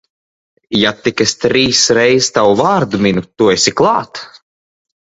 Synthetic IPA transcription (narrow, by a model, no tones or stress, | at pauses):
jat̪ikest̪ɾiːsɾɛjzt̪awvaːɾd̪uminut̪uesʲiklˠɑːt̪